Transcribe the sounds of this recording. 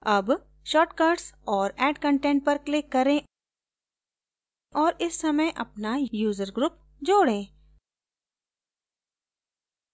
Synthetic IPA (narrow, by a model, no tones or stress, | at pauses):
ɐb | ʃɔːʈkaːɾɖsɔːɾɛːɖkə̃ɳʈɛ̃ːɳʈ̚pɐɾklɪkːɐɾẽ | ʔɔːɾɪsːɐməjʔɐ̰pnajuːzəɾɡɾʊp̚ | d͡ʒoːɽẽː